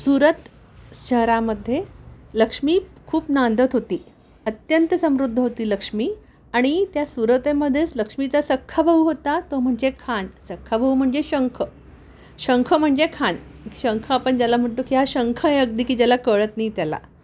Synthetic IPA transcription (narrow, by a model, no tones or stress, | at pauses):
suɾət̪ | ɕəɦɾaməd̪ʱːjeləkʂmiːkʰuːpnand̪ʱət̪ɦot̪iː | ət̪jənt̪əsəmɾud̪ʱːəɦot̪iːləkʂmiː | aɽ̃it̪jasuɾət̪emːəd̪ʱːjet͡sləkʂmit͡sasəkʰːabʱəɦuɦot̪at̪om̤əɳd͡zekʰansəkʰːabʱəɦum̤əɳd͡zeɕəŋkʰə | ɕəŋkʰəm̤əɳd͡zekʰaniɕəŋkʰəapəɳd͡ʑjalam̤əɳt̪okiɦaɕəŋkʰəeəɡ̚d̪ikid͡ʑalakəɭət̪nait̪jala̰